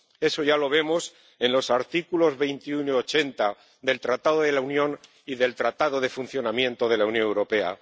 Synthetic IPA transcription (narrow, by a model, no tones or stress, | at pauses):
e̞so̞ʝalo̞β̞e̞mo̞s | e̞nlo̞saɾt̪ikulo̞zβe̞jnt̪iunoiot͡ʃe̞nt̪a | d̪e̞lt̪ɾat̪aðoðe̞launjõ̞n | iðe̞lt̪ɾat̪aðo̞ð̞e̞fun̟θjo̞namjẽ̞nt̪o̞ð̞e̞launjonewɾo̞pe̞a̰